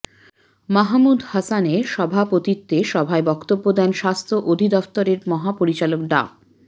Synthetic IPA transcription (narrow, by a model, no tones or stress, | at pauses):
maɦmud̪hasaneʃɔbʱapot̪it̪ːeʃɔbʱaebɔkt̪obːod̪ɛnʃast̪ʰoʔod̪ʱid̪ɔft̪oɾeɾmɔɦapoɾit͡ɕalok̚ɖa̰